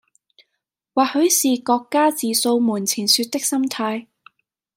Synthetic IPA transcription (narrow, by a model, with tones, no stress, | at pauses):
waː˨˩hɵ˨˥ɥsiː˨kɔː˧kːaː˥t͡siː˨so˧wmuː˨˩nt͡sʰiː˨˩nsyː˧t̚t̪ɪ˥k̚sɐ˥mt̪ʰaː˧j